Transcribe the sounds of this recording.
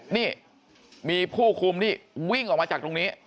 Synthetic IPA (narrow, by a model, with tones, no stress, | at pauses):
niː˥˩ | miː˧pʰuː˥˩kʰu˧mt̪ʰiː˥˩wi˥˩ŋʔɔː˨˩k̚maː˧t͡ɕaː˨˩k̚t̪o˧ŋni˦˥